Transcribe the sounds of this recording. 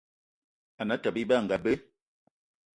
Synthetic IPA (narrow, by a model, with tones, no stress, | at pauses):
a˨na˦ta˨bi˦ba˦˨ŋ̩˨ɡa˨be˦